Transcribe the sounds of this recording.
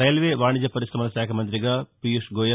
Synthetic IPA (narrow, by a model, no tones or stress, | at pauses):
ɐjɐlʋeʋaːɳid͡ʑɐpɐɾisɾɐmɐnɐɕaːkʰɐmɐnd̪ɾiɡɐpijuʂɡoːjɐ